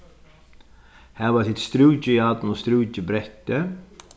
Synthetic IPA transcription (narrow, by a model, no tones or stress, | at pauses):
hæːʋasɪt̪st̪ɾʉːcəjɑt̪n̩ɔst̪ɾʉːcəbɾɛt̪ːə